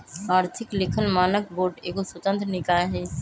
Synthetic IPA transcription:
aːɾt̪ʰɪklɪkʰəlmaːnək̚boːɾɖeːkoswət̪ə̃nt̪ɾənɪkaːjaɦɛ̃ː

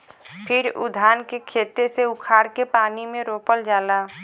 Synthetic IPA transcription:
pʰɪɾʊ̰d̪ʱaːnkekʰeːt̪eseʊkʰaːɾkepaːnimẽɾoːpəld͡ʒaːlaː

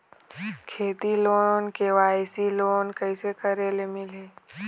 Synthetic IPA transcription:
kʰeːt̪iloːnonkeʋaːjsiloːnkəɪsekəɾeːlemɪleː

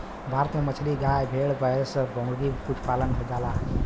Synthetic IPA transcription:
bʱaɾət̪memət͡ʃʰliɡajbʱeɭɡəesəbʱəŋɡikuʈʰpalənɡʱəd͡ʒala

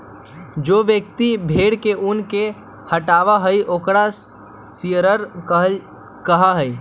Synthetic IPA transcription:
d͡ʒoːʋjək̚t̪ibʱeːɽkeʔunke | həʈaːʋaɦəjʔoːkɾa | siəɾəɾɦ | kəɦaɦəj

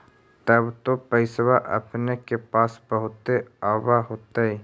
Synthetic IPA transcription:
t̪əbt̪opəɪswaʔɐ̰pnekepaːsbəɦʊt̪eaːwaɦoːt̪aɦɛː

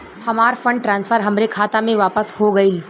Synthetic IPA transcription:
hɐmaːɾfɐ̃ɳɖ̚ʈɾãːnsfʰəɾɦɐmɾekʰaːt̪amẽʋaːpəshoɡɐiː

